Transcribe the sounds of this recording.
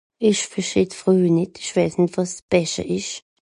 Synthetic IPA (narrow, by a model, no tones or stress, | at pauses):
ɪʃfəʃteːt͡sfʁyːnɪtʰɪʃv̥aɪsnɪtvɑsb̥ɛʃə̰ʔɪʃ